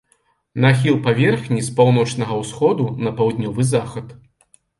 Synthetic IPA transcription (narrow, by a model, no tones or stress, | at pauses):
naxʲilˠpavʲɛrxnʲispawn̪ɔt͡ʂnɐɣɐwsxɔd̪unɐpawd̪nʲɔvɨzaxɐt̪